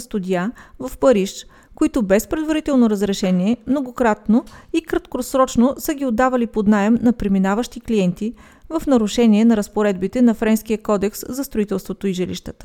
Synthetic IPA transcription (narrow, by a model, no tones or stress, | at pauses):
st̪ud̪ijavɐfpɐɾiʃ | koit̪ʊbɛspɾɛd̪vɐɾit̪ɛlˠnoɾəzɾɛʃɛniɛmnoɡokɾat̪noikɾɐt̪kosɾɔt͡ʃnosəɡʲiod̪ːavɐlipod̪najɛmnɐpɾiminavəʃt̪ikliɛnt̪i | vɐfnɐɾʊʃɛniɛnɐɾəspoɾɛd̪̚bit̪ɛnɐfɾɛnsk̟ijəkɔd̪ɛkszɐst̪ɾoit̪ɛlˠst̪vot̪oiʒɛlḭʃt̪ət̪ə̥